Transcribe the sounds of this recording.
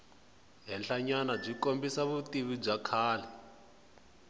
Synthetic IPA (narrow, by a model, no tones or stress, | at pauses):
ɦɛnɬaɲanab͡ʐikombisaβutiβib͡ʐakʰaːlɛ